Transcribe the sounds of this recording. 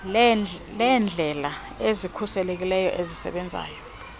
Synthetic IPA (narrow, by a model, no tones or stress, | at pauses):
lɛːnd͡ɮʱɛla | ezikʰusɛlek̬ʼilɛjɔ̰ʔezisɛ̰ɓɛnd͡zʱa̰ːjɔ